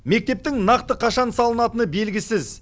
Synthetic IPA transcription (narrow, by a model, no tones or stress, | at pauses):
me̞k̚t̪e̞p̚t̪ɪŋnɑqt̪əqʰɑʃɑnsɑlˠənɑt̪ənəbe̞lɡʲɪsɪz